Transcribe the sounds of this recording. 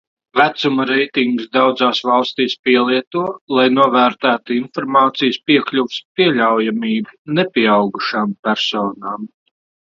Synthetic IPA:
væt̪sumaɾɛjt̪iŋɡsd̪awd̪zaːsvɑlˠst̪iːspiɛlˠiɛt̪uɔlˠajnuɔvæːɾt̪æːt̪uinfɔɾmaːt̪sijspiɛklʲuvspiɛʎʲawjamiːbunɛpʲiɛawɡuʃaːmpʲæɾsɔːnaːm

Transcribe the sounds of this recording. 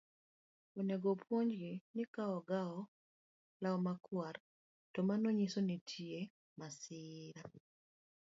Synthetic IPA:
oneɡopʰwoɲd͡ʒɡinɪkaɔɡaɔ | laɔmakʰwar | tɔmanoɲisonitʰie | masɪɾa

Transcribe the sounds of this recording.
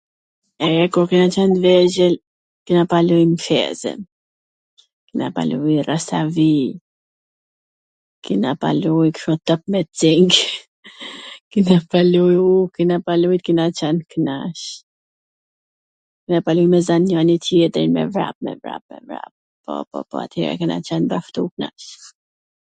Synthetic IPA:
ɛɾɛkuɾkinat͡ʃanvɛʒɛl | kinapalujmfɛ̰zɛ̰n | kina̰pa̰lujrasavi | kinapa̰lujkʃɔt̪əp̚mɛt̪d͡ziŋɡ | kinapalujukinapalujt̪kinat͡ʃanknaʃ | kinapalujmɛzanjɔnit̪ʰjɛt̪əɾinmɛ̰vɾa̰p̚mɛ̰vɾa̰p̚mɛ̰vɾa̰p̚ | pɔ̰pɔ̰pɔa̰t̪hɛ̰ɾa̰kɛna̰t͡ʃanbaft̪ukna̰ʃ

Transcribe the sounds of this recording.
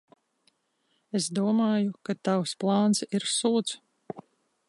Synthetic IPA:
esd̪uɔmaːjukat̪awsplˠɑːnsiɾsuːt̪s

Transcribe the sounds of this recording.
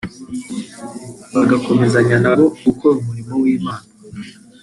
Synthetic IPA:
βaɡako̞me̞zaɲanaβo̞ɡ̥uko̞ɾumuɾimowiːmaːna

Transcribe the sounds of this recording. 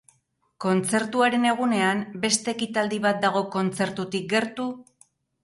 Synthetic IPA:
ko̞nt͡se̞ɾt̪uaɾe̞ne̞ɣ̞une̞ambe̞st̪e̞ːkit̪ald̪iβat̪̚d̪aɣo̞ko̞nt͡se̞ɾt̪ut̪ik̚ɡe̞ɾt̪u

